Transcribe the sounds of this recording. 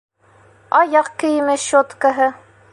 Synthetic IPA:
ɑjɑqkɘ̆jɘ̆mɘɕot̪kɑɦɤ

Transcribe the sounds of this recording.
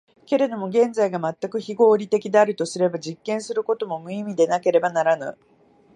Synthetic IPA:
ke̞ɾe̞d̪o̞mo̞ɡẽ̞nd͡zaiɡamat̪ːakɯ̟çiɡo̞ːɾʲit̪e̞kʲid̪e̞aɾɯ̟t̪o̞sɨɾe̞baʑikːẽ̞ɰ̃sɨɾɯ̟ko̞t̪o̞mo̞mɯ̟imʲid̪e̞nake̞ɾe̞banaɾanɯ̰

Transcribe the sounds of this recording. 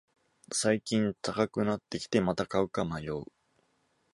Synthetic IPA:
saikʲĩnt̪akakɯ̟nat̪ːe̞kʲi̥t̪e̞mat̪akaɯ̟kamajoɯ

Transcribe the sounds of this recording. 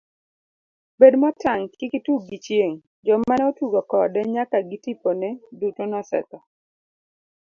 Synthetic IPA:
bedmɔtaŋkɪkituɡit͡ʃjeŋ | d͡ʒɔmanotuɡɔkɔdɛɲakaɡɪtiponɛdutonɔsɛ̰t̪ɔ

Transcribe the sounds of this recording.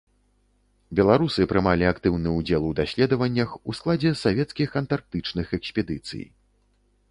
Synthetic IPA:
bʲɛlˠaɾusɨpɾɨmalʲiakt̪ɨwnɨud͡zʲɛlˠud̪asʲlʲɛd̪ɐvɐnʲːɐxusklˠad͡zʲɛsavʲɛt̪skʲixɐnt̪ark̚t̪ɨt͡ʂnɨxɛksʲpʲɛd̪ɨt̪sɨ̰j

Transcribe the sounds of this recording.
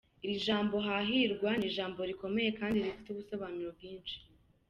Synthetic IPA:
iɾiʒaːmbo̞ɦaɦiɾɡwaniʒaːmbo̞ɾiko̞me̞je̞kaːndiɾifi̥tuβusoβamiɾobjiːnʃi̥

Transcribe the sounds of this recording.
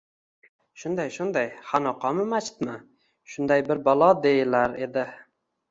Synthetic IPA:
ʃʊnd̪ajʃʊnd̪ajhanɒqʰɑmɪmat͡ʃɪ̥t̪mɪ | ʃʊnd̪ajbɪɾbɒlˠɒd̪eɪlaɾed̪ɪ

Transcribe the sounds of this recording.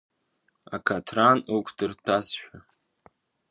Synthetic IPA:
akʰatʰranukʷʰdɨrtʰasʃᶣʷa

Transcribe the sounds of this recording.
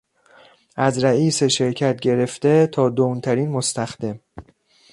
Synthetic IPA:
ʔæzɾæiːseʃe̞ɾcʰæt̪̚ɟe̞ɾe̞ft̪e̞t̪ʰɒːd̪oːnt̪ʰæɾiːnmost̪æxd̪e̞m

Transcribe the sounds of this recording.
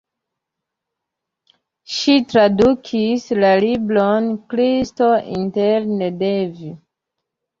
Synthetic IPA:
ʃitɾadukʰislalibɾonkɾisto̞ʔḭntelnedevi

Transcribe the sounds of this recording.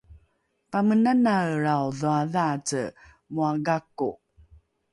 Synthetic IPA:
pamənanaɾawðuaðat͡sə | muaɡakṵ

